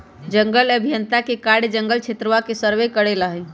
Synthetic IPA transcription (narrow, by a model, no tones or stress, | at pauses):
d͡ʒəŋɡələbʱijənt̪akekaɽd͡ʒəŋɡəlt͡ʃʰet̪ɾəʋakesəɾʋekəɽelaɦe